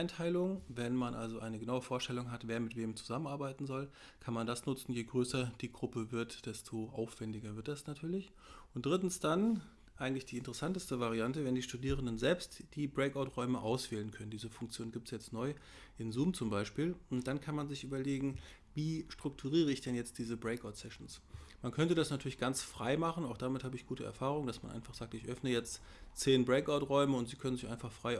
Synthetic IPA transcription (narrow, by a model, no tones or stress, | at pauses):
aɪntʰaɪlʊŋvɛnmanʔa̰lzoʔaɪnəɡənaʊəfoːɐʃtɛlʊŋɦatv̥eːɐmɪtv̥eːmt͡su̥zamənʔaɐbaɪtn̩zɔl | kʰanmandasnʊt͡sn̩jeːɡʁøːsɐd̥iːɡʁʊpəvɪɐtd̥ɛstʰoʔa̰ʊfv̥ɛndɪɡɐvɪɐt̚d̥asnatʰyːɐlɪç | ʊntd̥ʁɪtn̩sd̥an | ʔaɪɡŋ̩tlɪçd̥iːɪntəʁəsantəstəvaʁ̞iantəvɛndiːʃtudiːʁəndənzɛlpstd̥iːbʁɛɪkaʊtʁɔʏməʔaʊsv̥ɛːlənkʰœnəndiːzəfʊŋkt͡sjoːnənɡiːptsjɛt͡stnɔʏ | ʔɪnzuːmt͡sʊmbaɪʃpiːlʊnt̚d̥ankʰanmanzɪçʔyːbɐleːɡŋ̩ | viːʃtʁ̥ʊk̚tʰuʁiːʁ̞əɪçd̥ɛnjɛt͡st̚d̥iːzəbʁɛɪkaʊtsɛʃn̩smankʰœntədasnatʰyːɐlɪçɡ̥ant͡sfʁ̥a̰ɪmaχn̩aʊxχd̥amɪthaːbəɪçɡ̥uːtəɛ̰ɐfaːʁ̞ʊŋd̥asma̰nʔa̰ɪnfaχz̥aːk̚tɪçʔœfnəjɛt͡st | t͡seːnbʁɛɪkaʊtʁɔʏməʊntz̥iːkʰœnənzɪçaɪnfaχfʁ̥aɪ